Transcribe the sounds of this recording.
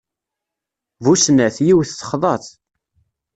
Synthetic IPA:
vusnæθjiwθːə̥χðˤɑθ

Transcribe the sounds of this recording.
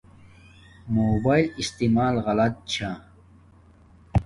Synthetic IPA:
moːbaːjlist̪imaːlɣɐlɐt̪̚t͡ɕʰa

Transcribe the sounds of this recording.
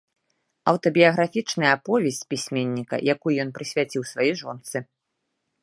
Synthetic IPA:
ɐwt̪ɔbʲijɐɣɾafʲit͡ʂnɐjɐapɔvʲɛsʲt͡sʲpʲisʲmʲenʲːikɐ̰jakujujɔnpɾɨsʲvʲat͡sʲiwsvajiʐɔnt̪sɨ

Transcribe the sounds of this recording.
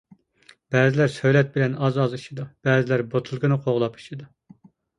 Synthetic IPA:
b̥ɛːzɪlæɾsøjlɛt̪̚bɪlɛnɑzɑziʃid̪ub̥ɛːzɪlæɾbot̪ʰulˠɡɨnɨqʰoʁlˠɑpʰi̥ʃid̪u

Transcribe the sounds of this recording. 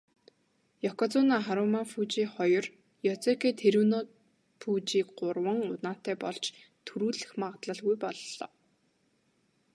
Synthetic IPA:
jɔkɔt͡sʊnaːχaɾʊmafut͡ɕiːχɔjɞ̆r | jɔt͡sekeːt̪ʰeɾuːno | fuːt͡ɕiːkɢʊrwə̆ŋʊt̪naːt̪ːæːpɔɮt͡ɕ | t̪ʰuɾuːɮɘ̆xmaʁt̪ɮə̆ɮɣujpɔɮːɔ̰ː

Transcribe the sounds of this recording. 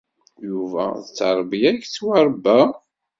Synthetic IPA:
juvæ̰ðət͡sːəɾˤbijæçt͡sːwaɾˤbæ

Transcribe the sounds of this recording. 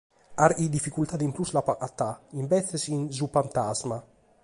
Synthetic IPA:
aɾid̪ifːikult̪ad̪impluslapaʔat̪ːaimbɛθesinzupant̪azma

